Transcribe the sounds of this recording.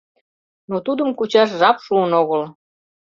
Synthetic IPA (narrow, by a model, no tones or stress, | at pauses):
not̪ud̪əmkut͡ɕɑʃʒɑpʃuənoɣəl